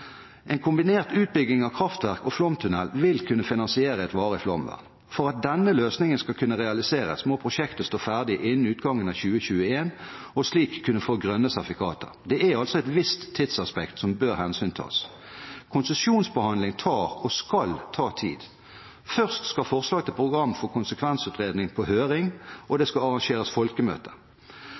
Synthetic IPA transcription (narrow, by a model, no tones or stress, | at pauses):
ʔɛnkʰʊmbɪneːʁt̪ʉːt̪̚bʏɡɪŋɑʋkʰʁɑft̪ʋæʁkɔflɔmt̪ʰʉnɛlʋɪlkʰʉnːəfɪnɑnsɪeːʁəɛt̪ʋɑːʁəflɔ̰mʋæ̰ʁn | fɔʁɑt̪̚d̪ɛnːəløːsnɪŋənskɑkʰʉnːəʁɛɑlɪseːʁə̰smɔpʰʁʊʃɛkt̪əst̪oːfæːʁd̪ɪʔɪnnɪʉːt̪ɡɑŋːənɑçʉːəɕʉːəeːn | ɔsliːkʰːʉnːəfoːɡʁœnːəsɑfɪkʰɑːt̪ə̰ʁd̪ɛæɑlt̪sɔɛt̪ʋɪst̪ʰːɪt̪sɑspɛkt̪sɔmbøːʁhɛnsyːnt̪ʰɑ̰ːs | kʰʊnsəsjuːnsbəhɑnd̪lɪŋt̪ʰɑːʁɔskɑlt̪ʰɑːt̪ʰḭːd̪ | fœʁst̪skɑfɔʁslɑːɡət̪ɪlpʰʁʊɡʁɑmːfɔʁkʰʊnsəkʰʋɛnsʉːt̪ʁeːd̪nɪŋpʰɔhøːʁɪŋʔɔd̪ɛskɑɑʁɑŋʃeːʁəsfɔlkəmø̰ːt̪ʰə